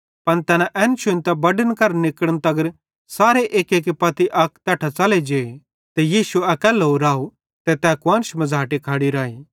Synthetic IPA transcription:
pɐnt̪ɛːnãʔɛːnt͡ʃʊnt̪ɛbɐɖənkɐɾnɪkəɽənt̪ɐɡəɾ | saːɾeʔeːkeːkipɐt̪iʔɐkt̪ɛːʈʰat͡sɐled͡ʒeː | t̪ejiːsuɐkɛːloːɾaːu | t̪et̪ɛːkʊãːnʃmɐd͡zaːʈikʰaːɽiɾaːiː

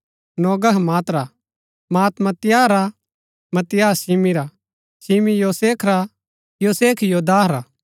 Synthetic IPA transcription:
nɔːɡəɦmaːt̪ɾa | maːt̪mɐt̪jaːɾa | mɐt̪ɪjaːsiːmiɾa | simijoːseːkʰɾa | joːseːkʰjoːd̪aːɾaː

